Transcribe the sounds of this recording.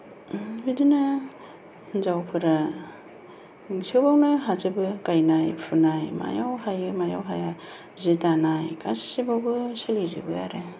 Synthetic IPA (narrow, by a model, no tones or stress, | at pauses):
bidina | zawpʰɯɾa | siewbawnɯɦazɯbɯkajnajpʰunajma̰jawhajɯmaja̰wɦaja | zitanajkasibawɡɯselizɯ̰bɯa̰ɾe